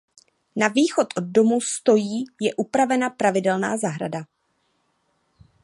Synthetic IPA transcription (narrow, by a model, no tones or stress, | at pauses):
naviːxo̞t̪ʔo̞d̚do̞must̪o̞jiːjɛʔupɾavɛnapɾavɪdɛlna̰ːzaɦɾa̰da